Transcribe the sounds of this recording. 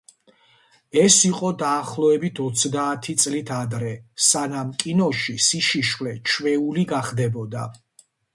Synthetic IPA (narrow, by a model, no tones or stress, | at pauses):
ɛsiqʼɔd̪aːχlˠɔɛbit̪ʰɔt̪sʰd̪aːt̪ʰit̪sʼlit̪ʰad̪ɾɛsanamkʼinɔʃisiʃiʃwlɛt͡ʃʰvɛuliɡaχd̪ɛbɔd̪a̰